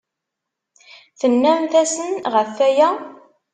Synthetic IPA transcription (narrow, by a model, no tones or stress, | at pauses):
θənːæmθæsənʁəfːæjæ